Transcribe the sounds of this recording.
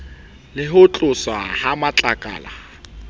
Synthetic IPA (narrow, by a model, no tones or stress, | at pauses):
lɪɦʊt͡ɬʼʊswahamat͡ɬʼakʼa̰ːla